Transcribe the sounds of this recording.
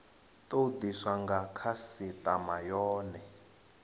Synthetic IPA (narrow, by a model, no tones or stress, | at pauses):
tod̪iswaŋɡakʰasitʼamajɔːnɛ